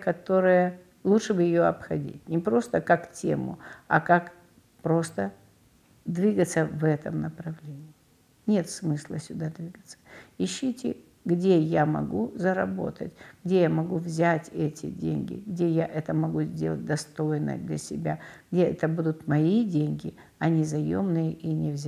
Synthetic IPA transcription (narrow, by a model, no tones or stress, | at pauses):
kɐt̪o̞ɾɨjə | lˠutʂɨbɨjɪjoɐpxɐdʲḭtʲnʲɪpɾo̞st̪əkaktʲemʊ̰ɐkak | pɾo̞st̪ə | d̪vʲiɡət̪səvɛt̪əmnəpɾɐvlʲenʲɪː | nʲe̞t̪smɨslˠəsʲʊd̪ad̪vʲiɡət̪sə̥ɪɕːitʲɪ | ɡdʲe̞jamɐ̰ɡuzəɾɐbo̞̰t̪ətʲɡ̥dʲe̞jamɐɡuvzʲatʲɛtʲɪ̰dʲḛnʲɡʲɪ̰ɡdʲe̞jaʔɛt̪əmɐɡuzʲdʲe̞̰lˠət̚ʲd̪ɐst̪ojnə̰d̪lʲɐ̰sʲɪbʲaɡ̥dʲeʔɛt̪əbud̪ʊt̪mɐidʲenʲɡʲɪ | ɐnʲizɐjo̰mnɨjəʔinʲɪvzʲ